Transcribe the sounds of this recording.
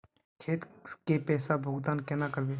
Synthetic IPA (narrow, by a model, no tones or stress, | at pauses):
kʰeːt̪kepɛːsabʱoːɡd̪aːnkɛːnakəɾbeː